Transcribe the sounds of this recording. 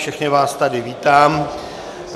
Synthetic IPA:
fʃɛxnɪvaːst̪adɪviːt̪aːm

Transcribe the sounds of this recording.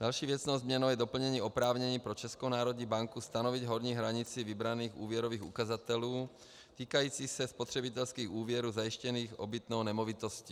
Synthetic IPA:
d̥̪alʃiːvjɛt͡snɔwzmɲɛnoʊjɛd̪ɔpl̩ɲɛɲiːɔpɾaːvɲɛɲiːpɾɔt͡ʃɛskownaːɾɔd̪ɲiːbaŋkust̪anɔviɟɦɔɾɲiːɦɾaɲit͡sivibɾaniːxuːvjɛɾoviːxṵkazat̪ɛluː | t̪iːkajiːt͡sixsɛspɔt̪r̝̥ɛbit̪ɛlskiːɣuːvɪɛɾuːzajiʃcɛniːxɔbit̪nɔwnɛmɔvit̪ɔsciː

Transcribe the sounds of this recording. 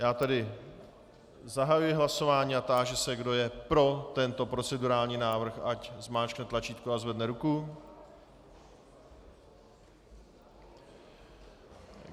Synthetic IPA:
jaːt̪ɛdɪ | zaɦajujɪɦlaso̞vaːɲiːat̪aːʒɛsɛɡdo̞jɛpɾo̞t̪ɛnt̪o̞pɾo̞t͡sɛduɾaːlɲiːnaːvr̩xʔaczmaːt͡ʃknɛt̪lat͡ʃiːt̪kuazvɛdnɛɾuku

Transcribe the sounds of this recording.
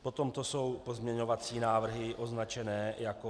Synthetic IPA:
pot̪o̞mt̪oso̞wpozmɲɛɲo̞vat͡siːnaːvr̩ɦɪʔo̞znat͡ʃɛnɛːjako

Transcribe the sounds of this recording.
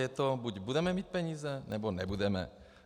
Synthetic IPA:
jɛt̪ɔbuɟbud̪ɛmɛmic̚pɛɲiːzɛnɛbɔnɛbud̪ɛmɛ̰

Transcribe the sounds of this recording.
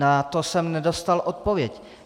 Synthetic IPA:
nat̪o̞sɛmnɛdo̞st̪alʔot̪̚povjɛc

